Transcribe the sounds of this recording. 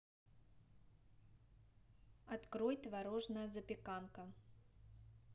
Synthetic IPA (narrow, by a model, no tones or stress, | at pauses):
ɐt̪kɾojt̪ʲvɐɾoʐnəjəzəpʲɪkankə